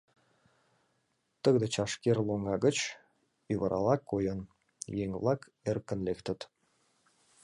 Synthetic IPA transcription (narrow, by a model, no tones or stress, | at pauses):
t̪əɣd̪et͡ɕɑʃkerloŋɑɣə̆t͡ɕ | yβəɾʔɑ̰lɑkːojən | jeŋβlˠɑk | erkə̆nlekt̪ə̆t̪